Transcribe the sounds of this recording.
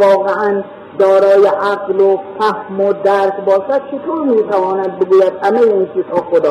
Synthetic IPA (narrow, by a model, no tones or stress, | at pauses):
ɒːɣeʔæn | d̪ɒːɾɒːjeʔaqlofæhmod̪æɾk̪bɒːʃæd̪̥̚t͡ʃʰet̪ʰoɾmiːt̪ʰævɒːnæd̪̚beɡuːjæd̪hæmejeint͡ʃʰiːz̥hɒːxod̪ɒː